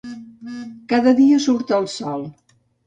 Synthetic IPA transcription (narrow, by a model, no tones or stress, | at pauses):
kaðəðiəsuɾt̪əlˠsɔlˠ